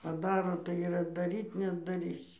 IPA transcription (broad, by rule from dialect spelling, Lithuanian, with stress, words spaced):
pɐˈdɑːroː tɐɪ ɪr ɐddɐˈrʲiːt nʲɛɐddɐˈrʲiːsʲɪ